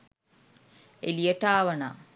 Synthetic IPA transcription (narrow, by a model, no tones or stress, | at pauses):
elijəʈaːʋɐna̰ː